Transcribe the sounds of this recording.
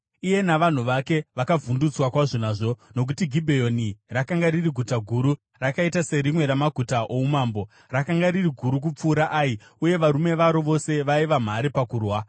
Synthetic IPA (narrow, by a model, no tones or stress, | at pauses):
ije̞naʋan̤uʋake̞ʋakavundut͡swakwaʐonaːʐo̞no̞k̬utiɡʱibʱejo̞nirakaŋɡaɾiriɡʱutaɡʱuɾu | rakaitase̞ɾimwe̞ɾamaɡʱutaʔoumaːmbo̞ | rakaŋɡaɾiriɡʱuɾuk̬up͡fuːɾaʔai | uje̞ʋaɾume̞ʋaɾo̞ʋo̞se̞ʋaiʋam̤aɾipakuːrwa